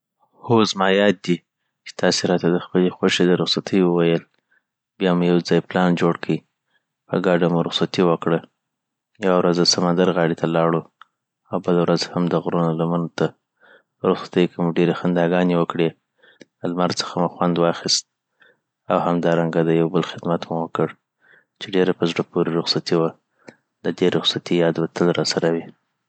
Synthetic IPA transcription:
hozmɑjɑt̪̚d̪i | t͡ʃe̥t̪ʰɑseɾɑt̪ad̪əxpəlexwaʃed̪əɾʊxsat̪ʰəjwəwajəl | bjɑmujawd͡zɑjplɑnd͡ʒoɽkʰəi | pə̰ɡɑɖamuɾʊxsat̪iwəkɽə | jawawɾazəsamand̪aɾɣɑɽet̪ʰalɑɽu | awbəlawɾazhamd̪əɣɾunolamanot̪a | əɾʊxsḁt̪əjkemuɖeɾexand̪ɑɡɑnewəkɽe | əlmaɾsə̥xamuxwand̪wɑxist̪̚ | awhamd̪ɑɾaŋɡad̪əjawbəlxɪd̪mat̪muwəkəɽ | t͡ʃeɖeɾapəzɖapoɾiɾʊxsat̪iwa | d̪əd̪eɾʊxsat̪ijɑd̪wat̪ʰəlɾɑsaɾawi

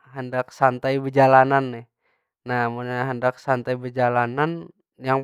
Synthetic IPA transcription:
ɦəndaksant̪aibərd͡ʒalananːɛh | namunaɦəndaksant̪aibərd͡ʒalanan | jaŋ

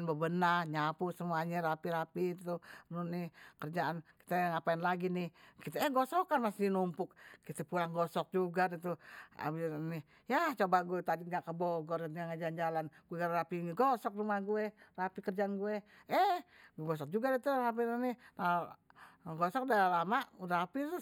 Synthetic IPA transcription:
nbəbənarɲapusəmuaɲaɾapiɾapit̪ununɪkərd͡ʒaʔanki̥t̪əŋapaɪnlaɡinɪhkit̪ɛːɡɔsɔkanmasinumpʊkkit̪əpulaŋɡɔsɔk̚d͡ʒuɡadit̪ua̰binɪ | jat͡ʃobaɡuɛt̪adiŋɡaʔkəbɔɡɔraŋad͡ʒand͡ʒalanɡ̥uɛɡrapiɡɔsɔk̚rumahɡuɛrapikərd͡ʒaanɡuɛɛɡɔs̬ɔk̚d͡ʒuɡadit̪urap̬ianɪna | ɡɔsɔk̚dalalamaɾapi

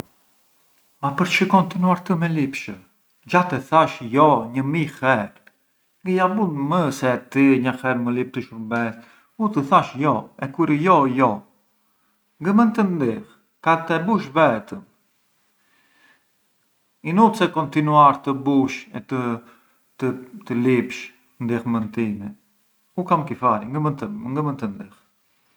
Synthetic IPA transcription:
mapəɾt͡ʃəkɔnt̪inuaɾt̪əmɛlipʃə | d͡ʒat̪ɛθaʃjɔɲəmixɛɾ | ŋɡəjabunməsɛt̪iɲəxɛɾməlip̚t̪əʃuɾbɛs | ut̪əθaʃjɔɛkuɾəjɔjɔ | ŋɡəmənt̪ənnd̪ix | kat̪ɛbuʃvɛt̪əm | inut͡sɛkɔnt̪inuaɾt̪əbuʃɛt̪ə | t̪ət̪əlipʃ | nd̪ixmənt̪inɛ | ukamkifaɾiŋɡəmənt̪əŋɡəmənt̪ənd̪ix

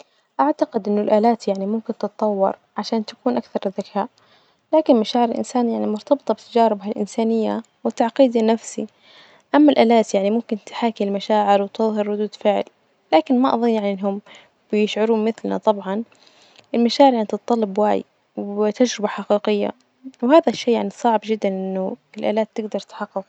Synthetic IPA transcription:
ʔaʕt̪aqɪd̪ʔɪnːʊlʔaːlaːt̪jaʕnimʊmkɪnt̪ɨt̪ˤːɑwːɑ̰ɾˤ | ʕaʃaːnt̪ḁkuːnʔakθɑɾˤðːakʰaːʔ | laːkɪnmaʃaːʕɪɾɪlʔɪ̰nsaːnjaʕnimʊɾt̪ɑbɨt̪ˤɑbɪt̪ad͡ʒaːɾɪbɦalʔɪ̰nsaːnɪjːa | wɪt̪ːaʕqiːd̪anafsḭ | ʔamːalʔaːlaːt̪jaʕnimʊmkɪnt̪ħaːkilmaʃaːʕɪɾwɪt̪ɨðˤɦɪɾːʊd̪uːd̪fɪʕl | laːkɪnmaʔɑ̰ðˤɨnːjaʕninːɦʊm | b̥ɪjɪʃʕʊɾuːmɪθlna̰t̪ˤɑbʕɑn | ɪlmaʃaːʕɪɾjanit̪ɨt̪̚ˤːɑlːɑbwa̰ːj̰ | wt̪ad͡ʒɾɪbaħaqiːqɪjːa̰ | whaːðaʃːeːjaʕnisˤɑʕbd͡ʒɪd̪ːanʔɪnːʊɪlʔa̰ːlaːt̪ːɪɡd̪ɑɾˤt̪ħɑqːʊq

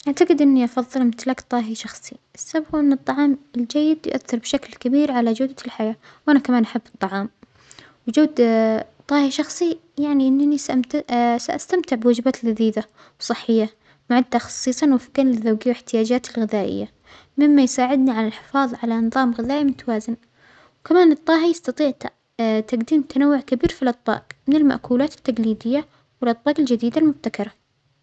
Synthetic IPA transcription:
ʔaʕt̪aɡɪd̪ʔɪnːiʔɑfɑðˤːɨlmɪt̪lakt̪ˤɑːɦiʃɑxsˤiʔɪsːabqʔɪnːɨt̪ˤːɑʕɑːmɪld͡ʒajːɪd̪jʊ̰ʔaθːɪɾbɪʃaklkabiːɾʕalad͡ʒaːd̪lħajaː | wʔanakamaːnʔaħabːɨt̪ˤːɑʕɑːm | wd͡ʒaːd̪t̪ˤːɑːhiʃɑxsˤijaʕniʔɪnːanis | saʔast̪amt̪ɪʕbɪwad͡ʒbaːt̪lɣaðiːd̪a | wsˤɨħːɪjːa | mʊʕad̪ːaxɑ̥sˤːiːsˤɑnwafɪkːanlɪðawɡjːwɪħt̪ɪjaːd͡ʒaːt̪ɪlɣɪðaːʔɪ̰jːa | mɪmːajsaːʕɪd̪niʕalalħɪ̥fɑːðˤʕalanɨðˤɑːmɣɪðaːʔimʊt̪ʰawaːzɪn | wkamaːnɨt̪ˤːɑːɦijɑst̪ɑt̪ˤiːʕ | t̪aɡd̪iːmt̪ʰanawːʊʕkabiːɾfilʔɑt̪ˤbɑ̰ːqmɪnɪlma̰ʔkuːlaːt̪ɪ̥t̪ːaɡliːd̪ɪjːa | wɪlʔɑt̪ˤbɑːqɪld͡ʒɪd̪iːd̪almʊb̚t̪akɑɾˤɑ

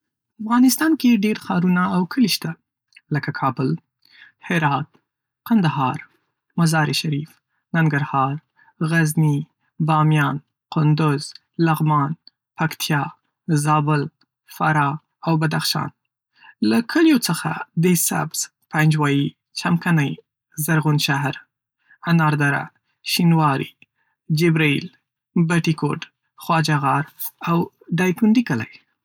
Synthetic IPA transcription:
afɣɑnɪst̪ɑnkeɖeɾxɑɾunaːwkʰəliʃt̪a | ləkakʰɑbəl | hɪɾɑt̪̚ | kand̪aɦɑɾ | mazɑɾiʃaɾif | naŋɡaɾhɑɾ | ɣazni | bɑmjɑn | qʊnd̪ʊz | laɣmɑn | pakt̪ʰjɑ | zɑbʊl | fa̰ɾɑ | awbad̪axʃɑ̰n | lakʰəljot͡səxa̰d̪esa̰bz̥ | pand͡ʒwɑji | t͡ʃamkanaj | zaɾɣunʃaɦɾ | anɑɾd̪aɾa̰ | ʃinwɑɾḭ | d͡ʒɪbɾail | baʈikoʈ | xwɑd͡ʒaɣɑɾaw | ɖɑjt̪und̪ikəla̰j

